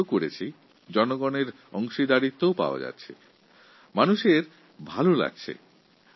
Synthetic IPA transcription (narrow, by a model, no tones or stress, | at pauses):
okoɽet͡ɕʰi | d͡ʑɔnoɡɔneɾ | ɔŋʃid̪aɾit̪ːowpa̰oa̰d͡ʑa̰t̪ːɕʰḛ | manuʃeɾ | bʱalola̰ɡ̚t͡ɕʰḛ